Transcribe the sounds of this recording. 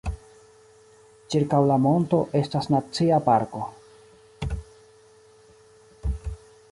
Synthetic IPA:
t͡ʃiɾkawlamo̞nto̞ʔe̞stasnat͡siapaɾko̞

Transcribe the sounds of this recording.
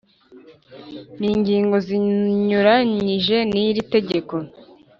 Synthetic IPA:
niːɲɟiːŋɡo̞ziɲuɾaɲiʒe̞niɾite̞ɟe̞ko̞

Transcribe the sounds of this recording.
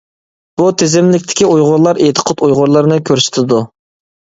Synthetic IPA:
b̥ut̪ʰezɪmlɪkʲt̪ʰɪ̥kʲiujʁʊɾlˠɑɾet̪ʰə̥qʰɑt̪ujʁʊɾlˠɨɾnɨkʲʰøɾsɪ̥t̪ʰɪd̪u

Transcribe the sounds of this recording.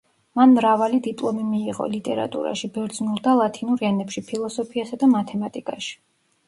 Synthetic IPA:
manmɾavalid̪ipʼlˠɔmimiːʁɔ̰lit̪ʼɛɾa̰t̪ʼṵɾa̰ʃibɛɾd̪znulˠd̪alˠat̪ʰinuɾɛnɛpʃipʰilˠɔsɔpʰiasad̪amat̪ʰɛmat̪ʼikʼaʃi̥

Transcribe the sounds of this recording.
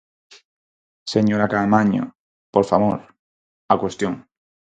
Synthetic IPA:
seɲoɾakamaɲo̰ | poɾfamoɾ | akwest̪joŋ

